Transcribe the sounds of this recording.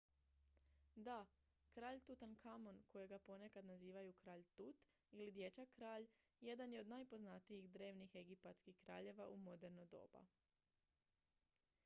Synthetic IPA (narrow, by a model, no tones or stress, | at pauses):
d̪a | kɾaːʎt̪ut̪ankʰamo̞nko̞jeɡapo̞ne̞kad̪naziːʋajukɾaːʎt̪ut̪ | ilid̪je̞t͡ʃakɾaːʎje̞d̪anjeo̞d̪najpo̞znat̪ijiɣd̪ɾe̞ːʋnixe̞ɡipat̪skixkɾa̰ːʎe̞ʋaʔumo̞d̪e̞ɾnod̪o̞̰ːba̰